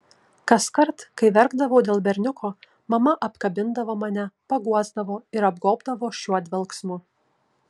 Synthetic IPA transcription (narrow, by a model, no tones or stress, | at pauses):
kɐskɐɾt̪kɐɪʋʲɛɾɡd̪ɐʋoːd̪ʲeːlˠbʲɛɾʲnʲʊkʰoː | mɐmɐʔɐpkɐbʲɪnd̪ɐʋomɐnʲɛpɐɡuɔzd̪ɐʋoːɪɾɐbɡoːbd̪ɐʋoːʃʲuɔd̪ʲʋʲɛlˠksmʊ